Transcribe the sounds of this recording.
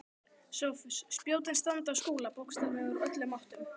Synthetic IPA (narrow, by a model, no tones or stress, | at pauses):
sowfsːpjoːwt̪ɪnst̪ant̪askuːlapowkst̪ʏvɛɣʏɾœt̪lʏmawht̪ʏm